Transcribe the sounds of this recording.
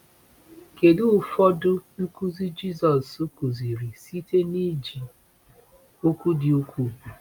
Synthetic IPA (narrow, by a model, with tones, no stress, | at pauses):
ke˨du˦˨fɔ˦dʊ˦ku˦zi˦d͡ʒi˦˨zɔ˨su˦ku˨zi˨ɾi˨si˦te˦ni˦d͡ʒi˨ | o˦kʷu˦dɪ˨o˦kʷu˦˨